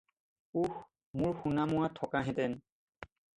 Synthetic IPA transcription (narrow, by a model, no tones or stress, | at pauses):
ux | muɹxunamʊatʰːɔkaɦɛ̃tɛn